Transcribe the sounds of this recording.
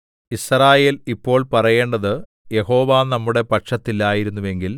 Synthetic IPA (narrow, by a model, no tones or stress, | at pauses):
israːje̞ːlipːo̞ːɭpɐrɐje̞ːɳɖɐðɨ | je̞ho̞ːʋaːnɐmːuɽe̞pɐʈʂɐt̪ːilaːjiɾunːuʋe̞ŋɡil